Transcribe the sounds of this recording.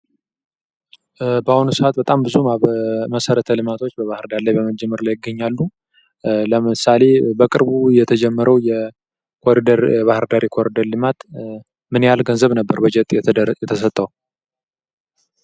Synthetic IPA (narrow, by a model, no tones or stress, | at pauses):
bahunusɨat̪bət̪ʼambɨzuməməsəɾət̪ʰəlɨmat̪ʰo̞t͡ʃːbəβahɨɾd̪aɾlajbəməd͡ʒɛmːəɾlajɪɡːəɲːalːu | ləmɨsale̞bəkʼɨɾbujɛt̪ʰəd͡ʒɛmːəɾʔəwjɛ | kʰoɾid̪əɾjɛβahɨɾd̪aɾikʰoɾid̪əɾlɨmat̪ | mɨnjalɡənzəβnəbːəɾbəd͡ʒɛt̪ʼjɛt̪ʰəs̬ət̪ʼːəw